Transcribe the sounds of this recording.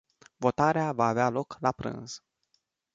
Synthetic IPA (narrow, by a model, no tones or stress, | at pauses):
vo̞t̪aɾeavaːvealo̞klapɾɨ̰nz̥